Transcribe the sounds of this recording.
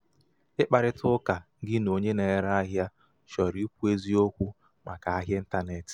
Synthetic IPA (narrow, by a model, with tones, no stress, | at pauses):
ɪ˦k͡pa˨ɾɪ˦tʊ˦ka˨˦ɡɪ˦no˨ɲe˦ne˨ɾa˦ɦja˦ | ʃɔ˨ɾi˦kʷu˦e˦zi˦o˦kʷu˦ | ma˨ka˨a˦ɦje˦n̩˦ta˦ne˨tɪ̥˨